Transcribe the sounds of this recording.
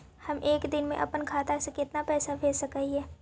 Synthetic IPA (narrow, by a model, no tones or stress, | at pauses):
hɐmʔeːkd̪ɪnmḛ̃ʔɐ̰pənkʰaːt̪asekɪt̪napɛːsabʱeːsɐkəɦiɦɛː